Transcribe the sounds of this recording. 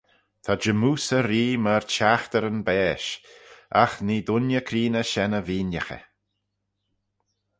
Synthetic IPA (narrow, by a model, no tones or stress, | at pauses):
t̪ʰad͡ʒəmuːsəɾiːməɹt͡ʃaxt̪əɾənbɛːʃ | a̰xniːd̪ʊnjəkʰɾiːnəʃɛnəviːnjəxə̰